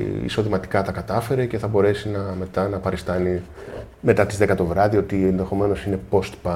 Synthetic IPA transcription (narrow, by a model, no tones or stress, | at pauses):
ḭso̞ðimɐt̪i̥kɐt̪ɐkɐt̪ɐfe̞ɾe̞ce̞θɐbo̞ɾe̞sinɐme̞t̪ɐnɐpɐɾist̪ɐni | me̞t̪ɐt̪izðe̞kɐt̪o̞vɾɐðio̞t̪ienðe̞xo̞me̞no̞sine̞po̞st̪pɐ